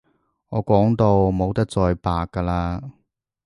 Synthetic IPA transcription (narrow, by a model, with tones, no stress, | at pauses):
ŋɔː˨˧kʷɔː˨˥ŋt̪o˧wmo˨˧wt̪ɐ˥k̚t͡sɔː˧jpaː˧kːaː˧laː˧